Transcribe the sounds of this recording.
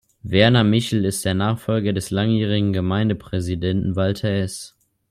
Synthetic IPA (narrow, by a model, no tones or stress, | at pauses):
vɛɐnamɪçl̩ɪst̚d̥eːɐnaːχfɔlɡɐdɛslaŋjiːʁ̞ɪɡŋ̩ɡəmaɪndəpʁ̥ɛzidɛntn̩valtʰɐɛs